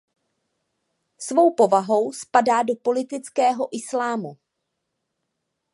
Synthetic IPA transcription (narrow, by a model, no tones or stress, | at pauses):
svo̞wpo̞vaɦo̞wspadaːdopo̞lɪt̪ɪt͡skɛːɦo̞ʔɪslaːmu